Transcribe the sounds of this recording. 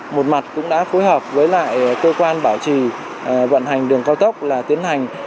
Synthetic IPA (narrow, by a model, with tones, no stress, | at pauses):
mo˨˩t̚ma˨˩t̚kʊ̰˧˥ŋ͡mɗa̰ː˧˥fo˨˦jɦəː˨˩p̚vəː˨˦jla̰ː˧˨jkəː˧kwaː˧nɓaː˧˩wt͡ɕi˧˩ | və̰˧˨nɦa˨˩jŋ̟ɗɨ˨˩əŋkaː˧wt̪ə˦˥k͡p̚laː˨˩t̪i˨˦ənɦa˨˩jŋ̟